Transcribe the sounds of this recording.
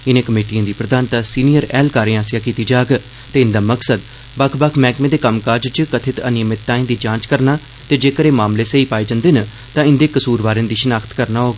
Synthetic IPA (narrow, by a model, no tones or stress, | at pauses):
ɪnẽːkəmeːʈijãːd̪iːpɾəd̪ʱaːnt̪aːsiːnijəɾɛːlkaːɾẽːãːsɪjaːkiːt̪iːd͡ʒaːɡ | t̪eːɪnd̪aːməksəd̪ | bəkʰbakʰmɛːkmẽːd̪eːkəmkaːd͡ʒt͡ʃəkət̪ʰɪt̪ənjəmɪt̪ːaːẽnd̪iːd͡ʒãːt͡ʃkəɾnaː | t̪eːd͡ʒeːkəɾeːmaːmleːseiːpaːeːd͡ʒãːnd̪eːnə | t̪ãːɪ̃nd̪eːkəsuːɾbaːɾẽːnd̪iːʃənaːkʰt̪kəɾnaːɦoːɡ